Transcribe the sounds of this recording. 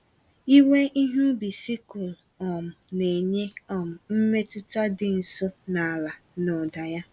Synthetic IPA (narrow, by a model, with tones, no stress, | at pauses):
i˦we˦ʔi˦ɦu˦bi˨si˦kʊ˨l | ɔ˨m̩˨ne˨ɲe˦ɔ˨m̩˨m̩˦me˦tʊ˦ta˦dɪ˨n̩˨so˦na˨a˨la˨nɔ˨da˨ja˦